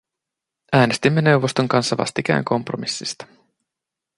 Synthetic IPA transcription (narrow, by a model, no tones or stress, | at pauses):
æːne̞st̪imːe̞ne̞wʋo̞st̪o̞ŋkɑnsːɑʋɑ̰st̪ik̟æ̰ːŋkʰo̞mpro̞̰misːist̪ɑ̥